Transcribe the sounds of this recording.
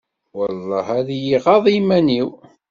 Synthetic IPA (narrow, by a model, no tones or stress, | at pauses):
wəlˤːɑhæðjiʁɑðˤimæniw